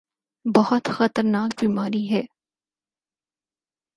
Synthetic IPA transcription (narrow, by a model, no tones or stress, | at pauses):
bɐɦʊt̪xɐt̪əɾnaːkbiːmaːɾiɦɛː